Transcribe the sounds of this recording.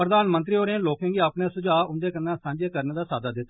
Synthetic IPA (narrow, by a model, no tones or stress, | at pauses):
pɾəd̪aːnmənt̪ɾiːɦoːɾeãːloːkẽːɡiːapnẽːsʊd͡ʒaːʊnd̪eːkənːãːsãːɲd͡ʒeːkəɾneːd̪aːsaːd̪aːd̪ɪt̪ːa